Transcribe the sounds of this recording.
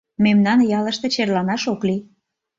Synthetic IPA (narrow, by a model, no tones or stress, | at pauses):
memnɑnjɑlə̆ʃt̪ĕt͡ɕerlɑnɑʃokli